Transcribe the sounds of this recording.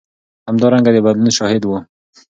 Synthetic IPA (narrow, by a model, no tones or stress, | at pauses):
hamd̪ɑɾaŋɡad̪əbad̪lunʃɑhɪd̪wu